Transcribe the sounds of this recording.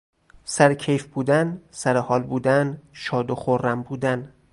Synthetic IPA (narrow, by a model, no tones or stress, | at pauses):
sæɾcʰejfbuːd̪ænsæɾehɒːlbuːd̪ænʃɒːd̪oχoɾːæmbuːd̪æn